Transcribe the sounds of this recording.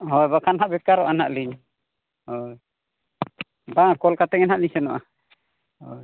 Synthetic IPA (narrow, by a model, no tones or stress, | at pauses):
ɦɔjbakʰanɦaʔbɛkaɾɔʔanaʔliɲ | ɔj | bakɔlkat̪ɛŋɛnɦaʔliɲsɛnɔ̰ʔa | ɔj